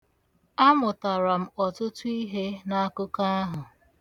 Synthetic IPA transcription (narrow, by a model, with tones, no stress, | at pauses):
a˦mʊ˨ta˨ɾa˨m̩˦˨ɔ˨tʊ˦tʊ˦i˦ɦe˦na˦a˦kʊ˦ka˦a˦ɦʊ˨